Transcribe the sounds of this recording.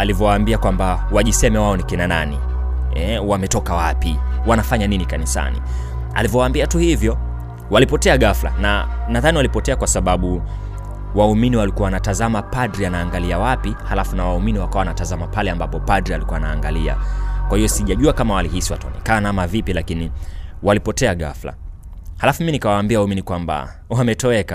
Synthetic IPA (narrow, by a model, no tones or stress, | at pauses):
alivjɔwaːmbiakwamba | waʄisɛmɛwaɔnikinananḭ | ɛwamɛtɔkawapiwanafaɲaninikanisa̰nḭ | a̰livjɔwaːmbiatuhivjɔ | walipɔtɛaɠafla̰nanaðaniwalipɔtɛakwasaɓaɓu | wauminiwalikuawanatazamapadɾianaːŋɡaliawapihalafunawauminiwakawawanatazamapalɛambapɔpadɾialikuwaana̰ːŋɡalia̰kwahijɔsiʄaʄuakamawalihisiwataa̰nɛ̰kaːnaamavipilakiniwalipɔtɛaɠa̰fla̰ | halafuminikawaːmbiawauminikwamba̰ | uamɛtɔɛka